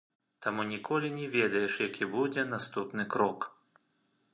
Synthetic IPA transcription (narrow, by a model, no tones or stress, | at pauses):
t̪amunʲikʰɔlʲinʲɛvʲɛd̪ɐjɛʂjakʲibud͡zʲɛnast̪upnɨkɾɔk